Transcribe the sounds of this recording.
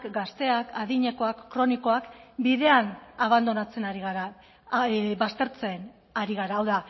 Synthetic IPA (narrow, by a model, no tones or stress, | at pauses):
kɡast̪e̞akaðiɲe̞ko̞akːɾo̞niko̞akbiðe̞anaβ̞and̪o̞nat͡se̞naɾiɣaɾa | bast̪e̞ɾt͡sen | aɾiɣ̞aɾaːwða